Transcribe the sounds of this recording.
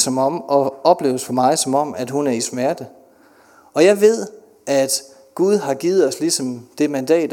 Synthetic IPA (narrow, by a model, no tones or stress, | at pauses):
sɒ̽mɒ̽m̰ɒ̽ɒ̽b̥le̝ːʊəsfɒ̽mɑ̈ɪsɒ̽mɒ̽m̰æd̥hunæɐismæɐd̥ə | ɒ̽jɑ̈ɪʋe̝ð̰ˠ | æd̥ | ɡ̥uð̞ˠɦɑ̈ɡ̥iːð̩ˠɒ̽slisɒ̽md̥e̝mænd̥ɛ̰ːd̥